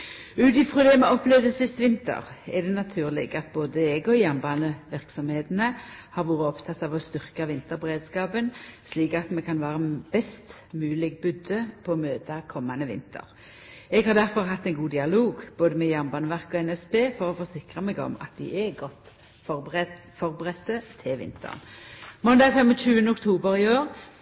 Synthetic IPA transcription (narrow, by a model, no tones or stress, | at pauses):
ʉːd̪ɪfʁʊd̪ɛːmɛɔplɛʋd̪əsɪst̪ʋɪnt̪ə̰ʁɛʁd̪ɛnɑt̪ʰʉːʁlɪ̰ɡɑt̪̚boːd̪əɛɡɔjæmbɑːnəʋɪʁksɔmheːt̪ənəhɑɾʋuːʁəɔpt̪ʰɑt̪ːɑʋɔst̪ʏʁkɑʋɪnt̪əɾbəʁeːd̪skɑːpənsliːkɑt̪mɛkʰɑnʋæːʁəb̥ɛst̪ | mʉːlɪɡbʏd̪əpʰɔːmøːt̪ɑkʰɔmːɑnəʋɪ̰nt̪ʰə̰ʁ | ɛɡhɑʁd̪æʁfɔʁɦɑt̪ːɛɪnɡuːd̪ɪɑloːɡb̥oːd̪əmɛjɑmbɑːnəʋæʁkɔɛnɛspeːfɔʁɔfɔʁsɪkʁəmɛɡɔ̰mɑ̰t̪̚d̪ɪ̰ʔɛɡɔt̪ː | fɔ | fɔʁbəʁɛt̪ːət̪ʰɪʋɪ̰nt̪ʰə̰ʁnmɔnd̪ɑːɡfɛməʃʉːənəʊkt̪ʰuːbəɾɪoːʁ